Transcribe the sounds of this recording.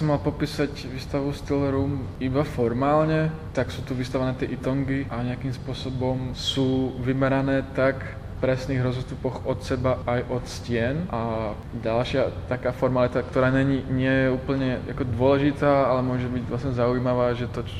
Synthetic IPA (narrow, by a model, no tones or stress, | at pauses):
sɔmːalpɔpiːsacʋiːst̪aʋust̪ilɛɾuːmibafɔɾmaːlɲɛt̪aksuːt̪uʋiːst̪aʋanɛːt̪ɪɛʔit̪ɔŋɡiʔaɲɛakimspʊɔsɔbɔmsuːʋimɛɾanɛːt̪ak | fpɾɛsniːɣɾɔzɔst̪upɔxɔt̪sɛbaajʔɔt̪scɪɛnʔa | ɟalʃɪat̪akaːfɔɾmalit̪akt̪ɔɾaːɲɛɲiːɲɪɛjɛuːpl̩ɲɛja̰kɔd̪ʊɔlɛʒit̪aːalɛmʊɔʒɛbiɟvlasɲɛzaujmaʋaːʒɛt̪ɔ